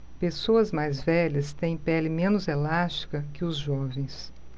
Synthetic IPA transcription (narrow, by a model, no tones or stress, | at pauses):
pesoɐzmajzvɛʎɐst̪ẽj̃pɛlɪmẽnʊzelast͡ʃi̥kɐkɪʊzʒɔvẽj̃s